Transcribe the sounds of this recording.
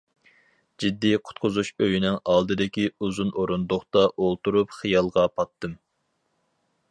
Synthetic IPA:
d͡ʒid̪ːiqʰʊ̥t̪̚qʰʊzuʃøjinɪŋɑlˠd̪ɨd̪ɪkʲiuzunoɾund̪oχt̪ɑʔolˠt̪uɾupχijɑlˠʁɑpʰɑt̪ːɨm

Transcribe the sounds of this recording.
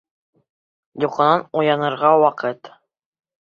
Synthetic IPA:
juqɑ̆nɑnujɑnɤ̆ɾʁɑwɑqɤt̪

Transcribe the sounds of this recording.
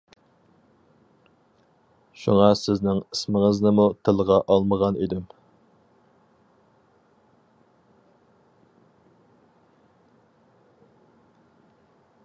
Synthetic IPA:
ʃṵŋɑsɪznɪŋismɪŋəznɨmut̪ʰɪlˠʁɑʔɑlˠməʁɑnḭd̪ɪm

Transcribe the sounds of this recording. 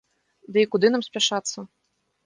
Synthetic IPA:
d̪ɨikud̪ɨnamsʲpʲaʂat̪sːɐ

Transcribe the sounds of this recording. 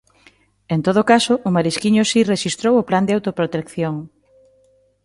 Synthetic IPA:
ent̪oð̞okasoʔʊmaɾiskiɲʊsireʃist̪ɾowopland̪eawt̪opɾot̪ekθjoŋ

